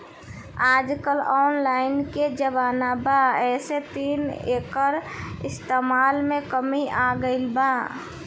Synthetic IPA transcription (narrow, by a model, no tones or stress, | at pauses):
aːd͡ʒkəlɔːnlaːɪnked͡ʒəbaːnabaɛːset̪iːneːkəɾɪst̪eːmaːlmẽkəmiʔaɡəɪlba